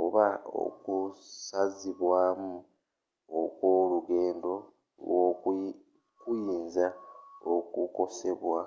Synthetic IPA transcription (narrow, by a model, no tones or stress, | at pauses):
oβao̰kusaziβwaːmu | okwo̞luɡe̞ːndo̞ | wo | kujiːnzaokuko̞se̞βwa